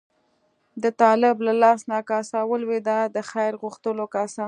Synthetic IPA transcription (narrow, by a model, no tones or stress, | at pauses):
d̪ət̪ɑlɪblalɑsnɑkɑsɑwəlwed̪ad̪əxajɾɣuxt̪əlokasɑ